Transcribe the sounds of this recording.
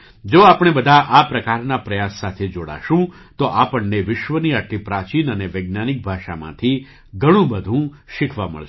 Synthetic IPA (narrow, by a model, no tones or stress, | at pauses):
d͡ʒoapɽ̃ebəd̪ʱaʔapɾəkaɾnapɾəjasːat̪ʰed͡ʒoɽa̰ʃũ | t̪oʔapəɳneʋɪʃʋəniaʈʰːipɾat͡ʃinəneʋeɡ̚nanɪk̚bʱaʃamã̰t̪ʰi | ɡʱəɽ̃ũbəd̪ʱũ | ʃɪkʰʋamə̰ɭʃ